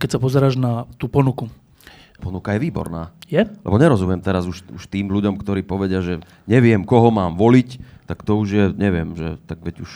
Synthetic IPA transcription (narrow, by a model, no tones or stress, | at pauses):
kɛcsapɔzɛɾaːʒnat̪uːpɔnuku | pɔnukajɛʋiːbɔ̰ɾna̰ːjɛlʔɛ̰bɔɲɛɾɔzumɪjɛmt̪ɛɾazuʃuʃt̪iːmluɟɔmkt̪ɔɾiːpɔʋɛɟɪaʒɛ | ɲɛʋɪɛmkɔɦɔmaːmʋɔlict̪akt̪ɔuʒjɛɲɛʋɪɛmʒɛt̪aɡʋɛɟuʃ